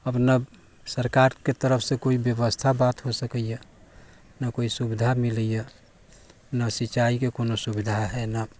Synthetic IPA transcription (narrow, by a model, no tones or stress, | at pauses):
əpnə | səɾkaɾket̪əɾəpʰsẽkoibjəbəst̪ʰabat̪ɦosəkəje | nəkoisubid̪ʱamiləje | nəsit͡ʃaikekonosubid̪ʱaɦɛnə